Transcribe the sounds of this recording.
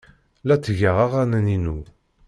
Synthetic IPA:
læt͡sːəʝaʁaʁanæninu

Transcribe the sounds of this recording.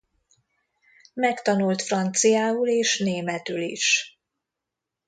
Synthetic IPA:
mɛkt̪ɒnult̪frɒnt̪sijaːuleːʃneːmɛt̪ylḭʃ

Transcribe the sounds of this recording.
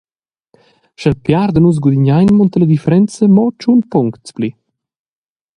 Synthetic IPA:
ʃəlpjaɾd̪ənusz̬ɡud̪iɲajnmɔnt̪ələd̪ifəɾɛnt͡səmɔt͡ʃunpuŋkt̪t͡spli

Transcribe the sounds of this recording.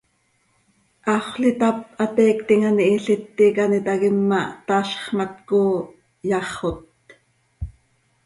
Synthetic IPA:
ʔɑχʷɬit̪ap̚ɑt̪ɛːkt̪iŋaniʔiɬɪt̪ːikanit̪ɑɣɪmːɑt̪ɑːɬχmɑt̪koː | jɑχot̪̚

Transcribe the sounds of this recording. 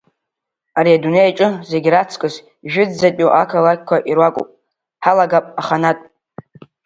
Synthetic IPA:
aɾiadune̞jat͡ʃʼɨze̞ɡʲɾat͡sʰkʼɨz | ʒᶣɪd͡zːapʲʼuʔakʰalakʲkʷʰaʔirwakʷʼʊ̰pʼ | ħalaɡapʼaχanatʼ

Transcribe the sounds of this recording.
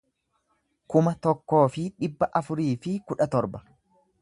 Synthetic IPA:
kʊmɐt̪ɔkːo̞ːfɪᶑɪbːɐʔɐfʊɾiːfɪkʊᶑɐt̪ɔɾbɐ̥

